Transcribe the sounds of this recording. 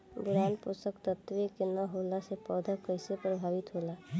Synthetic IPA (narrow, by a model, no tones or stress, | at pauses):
bʊɾaːnpʊsəkt̪ət̪ʋekenəɦoːlasepɔːd̪ʱəkəɪsepɾəbʱaːʋɪt̪ɦolaː